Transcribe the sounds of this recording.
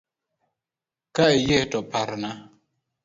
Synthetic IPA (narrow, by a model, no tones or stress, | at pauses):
kaejetɔpaɾna